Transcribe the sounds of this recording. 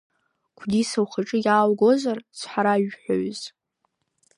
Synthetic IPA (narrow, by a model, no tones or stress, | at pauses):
kʷʰdisawχaʈ͡ʂʼɨjaːwɡo̞zart͡sʷʰħaɾaɥħʷo̰ɥz